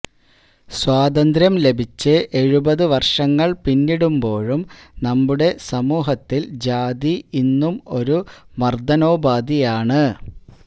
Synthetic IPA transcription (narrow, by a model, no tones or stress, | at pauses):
swaːd̪ɐnd̪ɾjɐmle̞bʱit͡ɕːɨʔe̞ɻubɐðɨʋɐrʂɐŋːɐɭpinːiɽumbo̞ːɻumnɐmːuɽe̞sɐmuːɦɐt̪ːild͡ʑaːd̪iinːumo̞ɾumɐrd̪ɐno̞ːbaːd̪ijaːɳɨ